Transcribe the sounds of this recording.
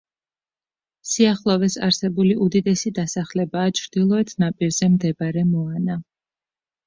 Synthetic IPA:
siaχlˠɔvɛsa̰ɾsɛbuliʔud̪id̪ɛsid̪asaχlɛbaːt͡ʃʰɾd̪̥ilˠɔɛt̪ʰnapʼiɾzɛmd̪ɛbɾɛmɔana

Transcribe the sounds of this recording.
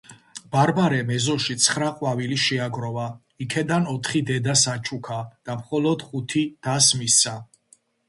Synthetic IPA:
b̥aɾbaɾɛmɛzɔʃit̪sʰχɾaqʼwaviliʃɛaɡɾɔva | ikʰɛd̪anɔt̪ʰχid̪ɛd̪asat͡ʃʰukʰad̪̥amχɔlɔd̪̥χut̪ʰid̪̥asmisa

